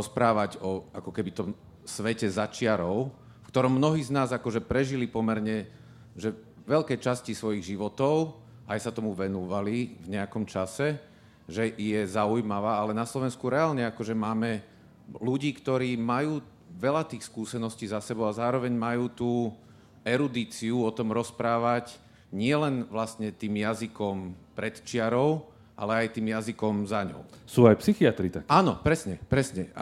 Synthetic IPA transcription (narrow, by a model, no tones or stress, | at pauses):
ɔspɾaːʋaɟɔakɔkɛbit̪ɔm | sʋɛcɛzat͡ʃɪaɾɔʊ | fkt̪ɔɾɔmːnɔɦiːznaːzakɔʒɛpɾɛʒilipɔmɛɾɲɛ | ʒɛ | ʋɛʎkɛːt͡ʃascisʋɔjiɣʒiʋɔt̪ɔʊ | ʔajsat̪ɔmuʋɛnuːʋalivɲɛakɔmt͡ʃasɛ | ʒɛʔjɛzaujmaʋaːalɛnaslɔʋɛnskuɾɛaːlɲɛakɔʒɛmaːmɛ | luɟiːkt̪ɔɾiːmajuː | ʋɛʎat̪iːxskuːsɛnɔsciːzasɛbɔʊazaːɾɔʋɛɲmajuːt̪uː | ɛɾud̪iːt͡siuɔt̪ɔmɾɔspɾaːʋac | ɲɪɛlɛnʋlast̪ɲɛt̪iːmjazikɔmpɾɛt̪t͡ʃɪaɾɔʊ | ʔa̰lɛajt̪iːmjazikɔmzaɲɔ̰ʊsuːajpsixiat̪ɾit̪akaːnɔpɾɛsɲɛpɾɛsɲɛ